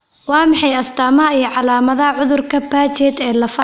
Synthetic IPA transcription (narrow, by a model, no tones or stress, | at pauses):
wɑːmɑħɑjɐst̪ʰaːmɐɦɐijɞʕɑlaːmɐðɐɦɐʕʊðʊrkʰɐbaːt͡ʃɛːd̪ɛːlɐfɐ